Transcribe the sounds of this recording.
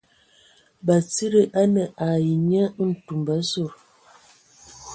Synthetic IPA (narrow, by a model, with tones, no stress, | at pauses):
ba˨t͡si˦ɾi˨ʔa˦nə˨ʔa˨ji˨ɲə˦n̩˨tu˨mba˨˦so˦˨ɾ